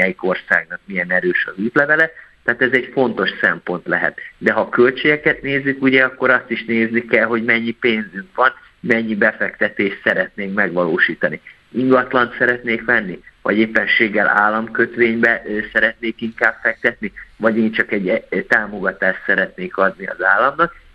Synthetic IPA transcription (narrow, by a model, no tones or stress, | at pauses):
ɛjiko̞rsa̰ːɡnɒk̚miɛnɛɾøːʃɒzyːt̪lɛvɛlɛt̪ːaːt̪ɛzɛɟfo̞n̪t̪o̞ʃsɛmpo̞nt̪lɛɦɛ̰t̪d̪ɛɦɒkølt͡ʃeːɡɛkɛt̪neːzːykuɟɛɒkːo̞ɾɒst̪iʃneːznikɛlɦo̞ɟmɛɲːipeːnzyŋkʋɒn | mɛɲːibɛfɛkt̪ɛt̪eːʃsɛɾɛt̪neːŋkmɛɡʋɒloːʃiːt̪ɒni | iŋɡɒt̪lɒnt̪sɛɾɛt̪neːkʋɛnːivɒ̰ɟeːpːɛnʃeːɡːɛla̰ːlːɒmkø̞t̪ʋeːɲbɛsɛɾɛt̪neːkiŋkaːbfɛk̚t̪ɛt̪nivɒɟeːɲt͡ʃɒkɛɟt̪aːmo̞ɡɒt̪aːʃt̪sɛɾɛt̪neːkɒd̪niɒ̰zaːlːɒmnɒk̚